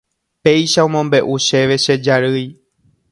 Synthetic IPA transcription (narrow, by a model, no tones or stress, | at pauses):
pe̞jʃaõmõmbe̞ʔuʃe̞ʋe̞ʃe̞d͡ʒaɾɨj